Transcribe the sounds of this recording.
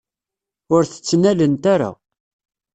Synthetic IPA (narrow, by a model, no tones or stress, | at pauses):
ʊɾθə̥t͡sːnælənt̪aɾa̰